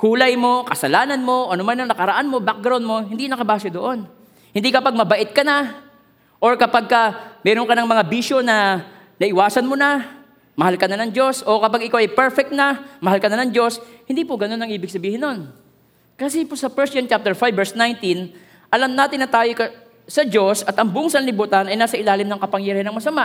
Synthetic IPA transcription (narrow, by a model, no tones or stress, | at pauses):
kuːlɐjmo̞kɐsɐlaːnɐnmo̞ʔɐnʊmanɐŋnɐkɐɾɐʔanmo̞bak̚ɡɾawnmo̞hɪnd̪inɐkɐbaːsod̪oʔo̞n | hɪnd̪ikɐpaɡ̚mɐbɐʔɪt̪̚kɐna | ʔoɹkɐpaɡ̚kɐmɛːɾoŋkɐnɐŋmɐŋabiːʃo̞nɐ | nɐʔɪwaːsɐnmona | mɐhalkɐnanɐŋd͡ʒo̞sʔo̞kɐpaɡɪkawʔɐjpɛɹfɛk̚t̪nɐmɐhalkɐnanɐŋd͡ʒo̞shɪnd̪iːpʊɡɐno̞nːɐŋʔiːbɪɡ̚sɐbiːhɪnːo̞n | kɐsɛpʊsɐpɛɹsjɐnt͡ʃap̚t̪ɛɹfajbːɛɹsnajnt̪in | ʔɐlɐmnaːt̪ɪnːɐt̪aːjokɐ | sɐd͡ʒo̞sʔɐt̪ʔɐŋbʊʔoŋsɐnlɪbuːt̪ɐnɐjnaːsɐʔɪlaːlɪmnɐŋkɐpɐŋjɐɾɪhanɐŋmɐsɐmaʔ